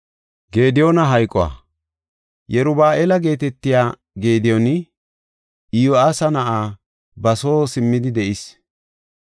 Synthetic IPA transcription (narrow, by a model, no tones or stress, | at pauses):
ɡe̞ːd̪ɪjonɐɦɐjkʼɔwa̰ː | jɛɾʊbaːʔeːlɐɡe̞ːt̪ɛt̪ːɪjaː | ɡe̞ːd̪ɪjɔnɪ | ɪjoaːsɐnɐʔaː | bɐso̞ːsɪmːɪd̪ɪd̪ɛʔɪs